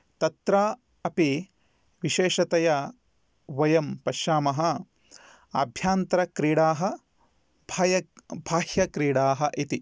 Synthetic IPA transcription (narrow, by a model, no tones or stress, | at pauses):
t̪ɐt̪ɾaː | ɐpi | ʋiʃeːʃɐt̪ɐjɐ | ʋɐjɐmpɐʃaːmɐɦɐ | abʱjaːnt̪ɾɐkɾiːɽaːɦɐ̆ | bʱaːjɐbʱaːhjɐkɾiːɽaːɦɐʔit̪i